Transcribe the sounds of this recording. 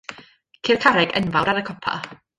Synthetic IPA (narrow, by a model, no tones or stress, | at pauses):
kʰiːrkʰaɾɛɡə̰nvawɾaɾəkʰɔpʰa̰